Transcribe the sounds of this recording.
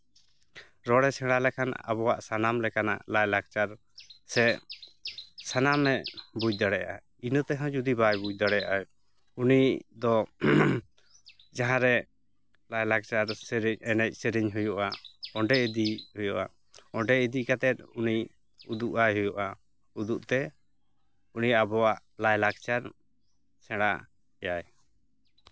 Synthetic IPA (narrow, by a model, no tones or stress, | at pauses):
ɾɔɽɛsɛɽ̃alɛkʰana̰bɔwaʔsanamlɛkana̰ʔlajlaɡ̚t͡ʃaɾ | sɛ | sanamɛʔbud͡ʒ̚d̪aɽɛja̰ʔa | inət̪ɛɦãd͡ʒud̪ibajbud͡ʒ̚d̪aɽɛjaʔa | unid̪ɔ | d͡ʒaɦãɾɛ | lajlak̚t͡ʃaɾsɛɾiɲɛnɛc̚sɛɾiɲɦujɔʔaɔɳɖɛid̪ihujɔʔa̰ | ɔɳɖɛid̪ikat̪ɛt̪̚uni | ud̪uʔajɦujɔʔa | ud̪uʔt̪ɛ | unijaabɔwaʔ | lajlak̚t͡ʃaɾ | sɛ̃ɽ̃a̰ʔ | ɛjaj